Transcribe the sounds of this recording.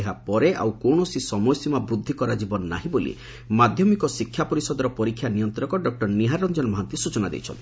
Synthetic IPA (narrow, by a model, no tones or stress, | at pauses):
eɦapɔɾeʔa̰wkoɳ̃ɔsisɔmɔjɔsimabɾud̪ʱːikɔɾad͡ʒibɔnːa̰ɦĩbolḭ | mad̪ʱjɔmikɔsikʰːjapɔɾisɔd̪ɔɾɔpɔɾikʰːjanijɔnt̪ɔɾɔkɔɖɔk̚ʈɔɾniɦaɾːɔnd͡ʒɔnmɔɦant̪isut͡ʃɔnad̪ḛjt͡ʃʰɔ̰nt̪ʰi